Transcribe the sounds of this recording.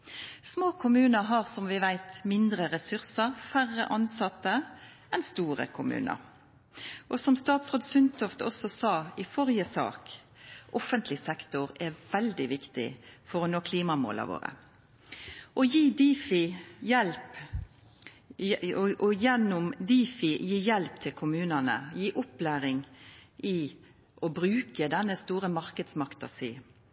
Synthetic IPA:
smoːkʰʊmʉːnəɾɦɑʁsɔmʋɪʋæɪt̪mɪnd̪ɾəʁɛsʉʁsəʁfæʁə̰ʔɑnsɑt̪ːə | ɛnst̪uːɾə̰kʰʊmʉ̰ːnə̰ɾ | ʔɔsɔmst̪ɑːt̪sʁoːd̪sʏnt̪ɔft̪ɔ̰sɔsɑːɪfɔʁjəsɑ̰ːk | ʔɔfənt̪ʰlɪsɛkt̪ʊʁɛʋɛld̪ɪʋɪkt̪ɪ̰fɔɾɔnoːkʰliːmɑmo̰ːlɑ̰ʋo̰ːɾə̰ | ʔɔjiːd̪iːfɪjɛlp | ʔɔjɛnːʊmd̪iːfɪjiːjɛlpt̪ʰɪlkʰʊmʉːnənə̰jiːʔʊplæːɾɪŋʔɪ | ʔɔbɾʉːkəd̪ɛnːəst̪uːɾəmɑʁkəd̪smɑkt̪ɑ̰siː

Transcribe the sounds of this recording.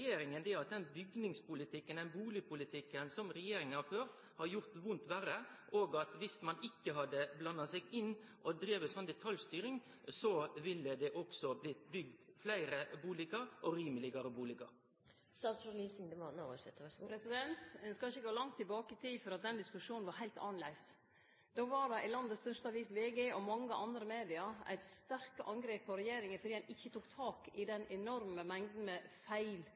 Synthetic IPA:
jeːɾɪŋənd̪ɛɑt̪̚d̪ɛnbʏɡnɪŋspʊlɪt̪ʰɪkːənd̪ɛnbuːlɪpʰʊlɪt̪ʰɪkːənsɔmɾɛjeːɾɪŋənhɑɾføːɾt̪ | hɑɾjʊɾt̪ʋʊnt̪ʋæːɾəʔoːɡɑt̪ʋɪsmɑnɪkːəɦɑd̪əblɑnːɑsɛɪɡɪnːʔɔd̪ɾiːʋəsɔnːd̪ɛt̪ʰɑljst̪yːɾɪŋ | sɔʋɪlːəd̪ɛʔɔksɔblɪt̪bʏɡ̚d̪flæɪɾəbuːlɪɡəɾʔɔɾiːməlɪɡɑɾəbuːlɪɡɑ̰ɾ | st̪ɑːt̪soliːsɪŋd̪əmɑnoʋəsɛt̪ːpɾɛsɪd̪ɛnt̪ɛnskɑɪçːəɡoːlɑŋt̪ʰːɪlbɑːkəɪt̪ʰiːfɔɾɑt̪̚d̪ɛnd̪ɪskʉʂuːnnʋɑɾɦæɪlt̪ɑːnlæɪs | d̪̥oːʋɑɖɛʔɪlɑnd̪əst̪œʂt̪əɑʋiːsʋeːɡeʔɔmɑŋːəʔɑnd̪ɾəmeːd̪ɪɑæ̰ɪt̪st̪æɾkəʔɑŋɡɾeːpʰːɔɾɛjeːɾɪŋənfɔɖiːɛnɪçːət̪uːkt̪ʰɑːkɪd̪ɛnɛnɔɾməmɛŋd̪n̩mɛfæɪl

